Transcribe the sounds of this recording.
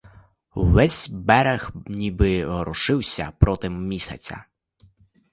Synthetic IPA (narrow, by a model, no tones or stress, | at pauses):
wːɛsʲbɛɾexnʲibɪɦɔɾɔʃɪwsʲɐ̰pɾɔt̪ɪmmʲisʲɐ̰t͡sʲɐ̰